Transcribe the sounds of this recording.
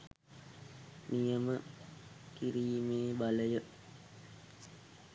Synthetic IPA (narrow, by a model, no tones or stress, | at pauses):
nijəmə | kiɾiːmeːbaləjə